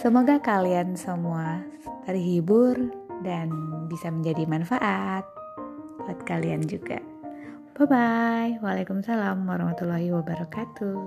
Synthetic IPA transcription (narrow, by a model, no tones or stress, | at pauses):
səmoɡakaliansəmua | t̪ərɦibʊrdanbisaməɲd͡ʒadimanfaʔat̪̚ | paat̪̚kaliand͡ʒuɡa̰ | b̥abajwalakumsalamwaɾɑhmat̪ulɔɦiwabaɾɔkat̪u